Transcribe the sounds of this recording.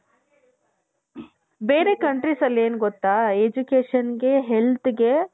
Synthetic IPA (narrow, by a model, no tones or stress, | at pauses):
beːɾe̞kɐɳʈɾisɐlːeːnuɡot̪ːaːed͡ʒukeːʂɐnɡe̞ɦelt̪ɡe̞